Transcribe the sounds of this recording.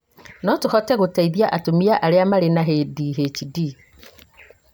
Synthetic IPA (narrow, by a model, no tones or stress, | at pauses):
nɔtʊhɔtɛɣʊtaiðiaʔatomiaʔaɾɪamaɾenaɦediːɦet͡ʃidi